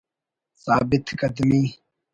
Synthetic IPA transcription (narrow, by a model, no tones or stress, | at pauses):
saːbɪt̪kɐd̪miː